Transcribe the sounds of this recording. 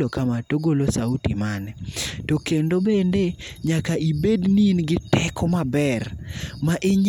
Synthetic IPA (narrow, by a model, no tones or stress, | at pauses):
okamatoɡolosautimanɛtokendobendeɲakaibedninɡɪtɛkɔmabɛrmaʔeɲ